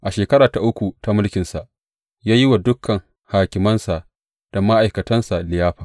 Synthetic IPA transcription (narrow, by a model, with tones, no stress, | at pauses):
ʔa˨ʃeː˨kɐ˦ɾaː˨ta˨ʔʊ˦kʷu˨ta˨˦mʊ˦lkʲɪ˨nsa˨ʔ | jaː˦ji˦wa˨dʊ˦kʰːɐ˨ŋ | haː˨kʲɪ˨mɐ˦nsa˨ʔ | d̥a˨ma˦ʔa˨jkɐ˨tɐ˦nsa˨lɪ˨jaː˦ɸɐ˨